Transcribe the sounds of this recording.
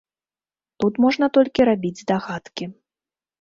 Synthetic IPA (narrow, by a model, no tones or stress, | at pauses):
t̪ut̪mɔʐn̪ɐt̪ɔlʲkʲiɾabʲid͡zʲd̪aɣat̪kʲi